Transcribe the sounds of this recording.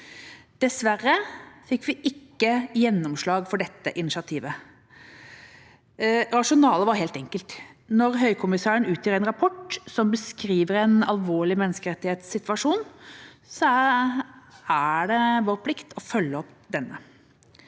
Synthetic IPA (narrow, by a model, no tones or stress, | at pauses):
d̪̥ɛsʋærəfɪkːʋɪʔɪkːəjɛnːɔmʂlɑːɡfɔɖɛt̪ːəʔɪnɪʃɑt̪ʰiːʋə | ɾɑʂʊnɑːləʋɑɾheːlt̪ɛŋkəlt̪nɔɾɦœʏkʰʊmɪsæːɾənʉːt̪jiːɾɛnɾɑpʰɔʈsɔmbəskɾiːʋəɾɛnɑ̰lʋoːɭɪmɛnːəskəɾɛt̪ːɪheːt̪sːɪt̪ʋɑʂuːn | sɔ | æɖɛʋoːɾpʰlɪkt̪ʰɔfœlːəɔpd̪ɛnːə